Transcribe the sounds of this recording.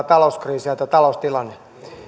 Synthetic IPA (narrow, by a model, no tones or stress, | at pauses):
t̪ɑlouskriːsiɑt̪ɑt̪ɑlost̪ilɑnːe